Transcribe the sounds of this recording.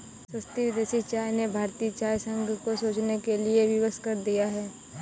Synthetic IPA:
səst̪iʋɪd̪eːsit͡ʃaːjnebʱaːɾt̪iːt͡ʃaːjsə̃ŋɡʱkosoːt͡ʃnekelieʋɪʋəskəɾd̪ijaɦɛː

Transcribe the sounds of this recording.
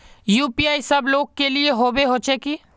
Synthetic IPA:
juːpiaːisɐbloːɡ̚kelieɦoːbeɦoːt͡ʃeːki

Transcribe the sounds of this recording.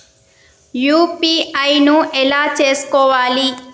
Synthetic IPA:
juːpiɐjnuʔɛlaːt͡ʃeːsu̥kɔːʋaːli

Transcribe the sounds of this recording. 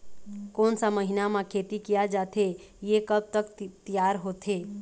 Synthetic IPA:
koːnsaməɦɪnamãkʰeːt̪ikijad͡ʒaːt̪e | jekəb̚t̪əkt̪ijaːɾɦot̪ʰeː

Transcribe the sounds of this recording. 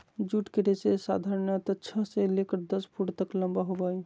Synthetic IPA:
d͡ʒuʈkeɾesesad̪ʱaɾənət̪ət͡ʃʰəselekəɾd̪əspʰuɽt̪əkləmbaɦobəj

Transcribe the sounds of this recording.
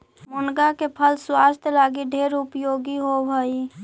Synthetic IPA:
mʊnɡakepʰəlswaːst̪ʰjlaːɡiɖʱeːɾʊpjoːɡiɦobʱəi

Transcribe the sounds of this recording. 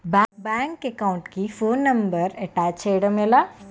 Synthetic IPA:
bɛbɛ̃ːŋkekaʊ̃ɳʈkifoːnːɐmbəɾeʈɛːt͡ʃeːɽəmela

